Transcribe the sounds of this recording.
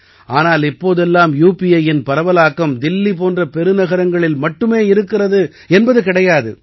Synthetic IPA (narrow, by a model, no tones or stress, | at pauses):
aːnaːlɪpːoːðɛlːaːmjuːpɪɐjɪnpɐɾɐʋɐlaːkːɐmd̪ɪlːip̬oːndrɐpɛɾɯnɐɣɐɾɐŋɡɐɭɪlmɐʈːɯmeːɪɾɯkːɪrɐðɯ | ɛnbɐðɯkɪɽɐjaːðɯ̰